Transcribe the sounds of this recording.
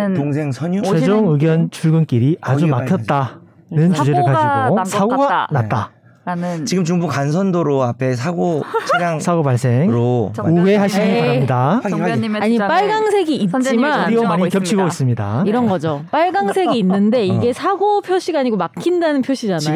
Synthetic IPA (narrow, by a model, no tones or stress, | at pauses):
oŋsʰeŋsʰʌɲt͡ɕed͡ʑoŋɯɡjʌnt͡ɕʰuɭɡɯnk͈iɾiʔad͡ʑumakʰjʌt̚t͈a | nɯnt͡ɕud͡ʑe̞ɯɭkaiɡosʰaɡoɡanat̚t͈a̰ | t͡ɕiɡɯmt͡ɕuŋbukans̬ʰʌndoɾoapʰe̞sʰaɡot͡ɕiaŋsʰaɡobaɭs͈e̞ŋɾouwe̞ɦaɕʰinɯnʌamɲida | aɲip͈aɭɡaŋsʰe̞ɡiːt͡ɕimanɾiomaɲikjʌpt͡ɕʰiɡois͈ɯmɲida̰iɾʌnɡʌd͡ʑop͈aɭɡaŋsʰe̞ɡiːnːɯnde̞iɡe̞sʰaɡopʰjoɕ͈ʰiɡaɲiɡomakʰindanɯnpʰjoɕ͈ʰid͡ʑana